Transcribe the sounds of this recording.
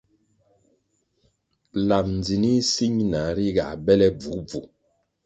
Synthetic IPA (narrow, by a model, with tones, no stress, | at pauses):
la˨m̚n˨d͡zi˨ni˦si˦ɲna˨ɾi˦ɡa̰˨bɛ˦lɛ˦b͡vu˨˦b͡vṵ˨